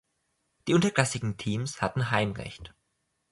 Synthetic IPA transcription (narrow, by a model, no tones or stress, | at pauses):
d̥iːʔʊntɐklasɪɡŋ̩tʰiːmshatn̩ɦaɪmʁɛ̰çt